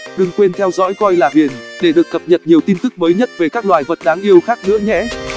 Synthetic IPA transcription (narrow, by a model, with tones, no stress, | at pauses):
ɗɨ˧˩ŋkwe˧nt̪ʰɛ˧wzɔ̰˧˥jkɔ˧jlaː˨˩ɓi˨˩ənɗe˧˩ɗɨ˨˩ək̚t̪ə˨˩p̚ɲə˨˩tp̚ɲi˨˩əwt̪i˧nt̪ɨ˦˥k̚məː˨˦jɲə˦˥t̚ve˨˩kaː˦˥k̚lwaː˨˩jvə˨˩t̚ɗaː˨˦ŋʔi˧əwxaː˦˥k̚nɨ̰˧˥əɲɛ̰˧˥